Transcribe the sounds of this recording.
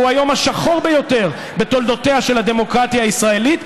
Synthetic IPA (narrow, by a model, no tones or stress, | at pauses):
uajo̞maʃaχo̞ʁbejo̞t̪e̞ʁ | be̞t̪old̪o̞t̪eaʃe̞lad̪e̞mo̞kʁat̪jaːisʁae̞lit̪